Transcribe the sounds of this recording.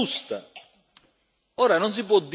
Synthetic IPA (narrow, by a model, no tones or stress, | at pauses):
ust̪a | ɔːɾanons̬ipwɔd̪ː